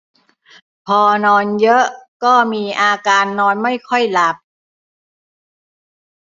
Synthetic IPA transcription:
pʰɔː˧nɔː˧njɤ˦˥ʔkɔː˥˩miː˧ʔaː˧kaː˧nːɔː˧nma˥˩jkʰɔ˥˩jla˨˦˩p̚

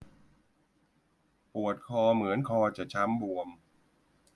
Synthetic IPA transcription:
pu˨˩ət̪̚kʰɔː˧mɯ˩˦ənkʰɔː˧t͡ɕa˨˩t͡ɕʰa˦˥mbu˧əm

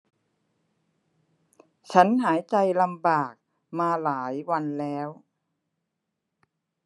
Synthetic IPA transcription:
t͡ɕʰa˦˥nɦaː˩˦jt͡ɕa˧jla˧mbaː˨˩k̚ | maː˧laː˩˦jwa˧nlɛː˦˥w

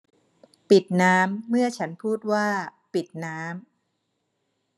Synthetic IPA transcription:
pi˨˩t̪̚naː˦˥mːɯ˥˩ɐt͡ɕʰa˦˥npʰuː˥˩t̪̚waː˥˩pi˨˩t̪̚naː˦˥m

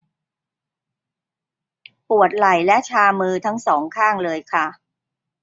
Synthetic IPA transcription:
pu˨˩ət̪̚la˨˩jlɛ˦˥ʔt͡ɕʰaː˧mɯː˧t̪ʰa˦˥ŋsɔː˩˦ŋkʰaː˥˩ŋlɤː˧jkʰa˥˩

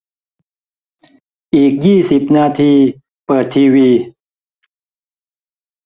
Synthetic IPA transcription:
ʔiː˨˩k̚jiː˥˩si˨˩p̚naː˧t̪ʰiː˧ | pɤː˨˩t̪ʰːiː˧wiː˧

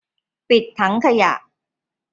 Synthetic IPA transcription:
pi˨˩t̪ʰːa˦˥ŋkʰa˧ja̰˨˩ʔ

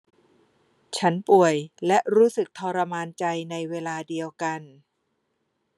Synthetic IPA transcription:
t͡ɕʰa˦˥npu˨˩əjlɛ˦˥ʔɾuː˦˥sɯ˨˩k̚t̪ʰɔː˧ɾa˧maː˧nt͡ɕa˧jna˧jweː˧laː˧di˧əwka˧n

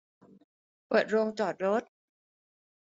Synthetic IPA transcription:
wa˨˩t̪̚ɾo˧ŋt͡ɕɔː˨˩t̪̚ɾo˦˥t̪̚

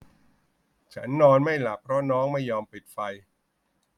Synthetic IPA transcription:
t͡ɕʰa˦˥nːɔː˧nma˥˩jla˨˩pʰɾɔ˦˥nɔː˦˥ŋma˥˩jːɔː˧mpi˨˩t̪̚fa˧j

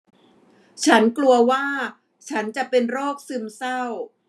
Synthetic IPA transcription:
t͡ɕʰa˦˥nklu˧ɐwaː˥˩ | t͡ɕʰa˦˥nt͡ɕa˨˩ʔpe˧nɾoː˥˩k̚sɯ˧msa˥˩w

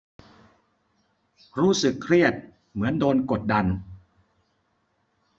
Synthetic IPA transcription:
ɾuː˦˥sɯ˨˩kʰɾi˥˩ət̪̚ | mɯ˩˦əndoː˧nko˨˩t̪̚da˧n

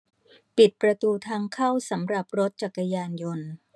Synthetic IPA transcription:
pi˨˩t̪̚pɾa˧t̪uː˧t̪ʰaː˧ŋkʰa˥˩wsa˩˦mɾa˨˩p̚ɾo˦˥t̪̚t͡ɕa˨˩kːa˧jaː˧njo˧n

